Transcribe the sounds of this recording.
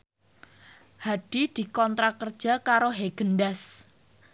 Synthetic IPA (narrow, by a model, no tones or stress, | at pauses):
haɖ̥id̪̥i̤kɔnt̪ɾakərd̥ʒ̥a̤kaɾoɦeɡ̥ənɖas